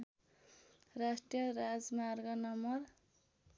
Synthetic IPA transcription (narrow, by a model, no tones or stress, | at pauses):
rasʈijʌɾad͡zmarɡʌnʌmʌr